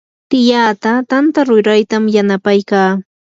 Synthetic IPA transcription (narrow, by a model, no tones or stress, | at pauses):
t̪ɪjaːt̪at̪ant̪aɾʊɾajt̪amjanapajkaː